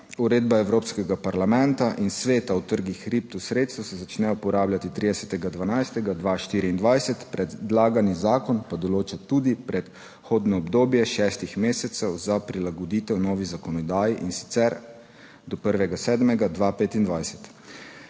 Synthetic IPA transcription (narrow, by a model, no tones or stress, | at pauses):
uɾeːd̪baɛwɾoːpskɛɡapaɾlamɛ̃nt̪aʔinsʋeːt̪awt̪əɾɡixɾip̚t̪usɾeːt̪st̪usɛzat͡ʃnɛjɔpɔɾaːbljat̪it̪ɾiːd̪ɛsɛt̪ɛɡad̪ʋanajst̪ɛɡad̪ʋaʃt̪iɾiːnd̪ʋajsɛt̪pɾɛd̪d̪laːɡanizaːkɔnpad̪ɔloːt͡ʃɛt̪ud̪ipɾɛt̪ | xoːd̪nɔɔbd̪oːbjɛʃɛst̪ixmeːsɛt̪sɛwzapɾilaɡɔd̪iːt̪ɛwnɔːʋizakɔnɔd̪aːjiʔinsi̥t̪sɛɾ | d̪ɔpəɾʋɛɡasɛːd̪mɛɡad̪ʋapeːt̪ind̪ʋajsɛ̥t̪